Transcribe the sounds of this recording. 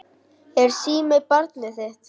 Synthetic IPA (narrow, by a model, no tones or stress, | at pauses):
ɛɾ̥siːmɛpaɾt̪nɪθɛht̪